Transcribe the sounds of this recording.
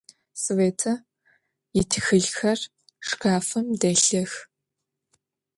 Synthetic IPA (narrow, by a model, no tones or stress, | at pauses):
sɨveːtʰɐ | jɪtʰxɨɮxɐr | ʂkʰaːfɨmdɐːɬɐx